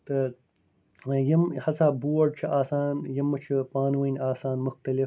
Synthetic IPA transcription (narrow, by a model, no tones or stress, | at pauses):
t̪ɐ | jɐmhɐsaːbuːɐɖ̚t͡ʃʰɐʔaːsaːnjɐmːɐt͡ʃʰɐpaːnwɐnaːsaːnmʊxt̪ɐlif